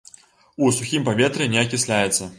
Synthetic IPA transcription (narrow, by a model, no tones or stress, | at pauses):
usuxʲimpavʲɛt̪ɾɨnʲɛɐkʲisʲlʲajɛt̪sːɐ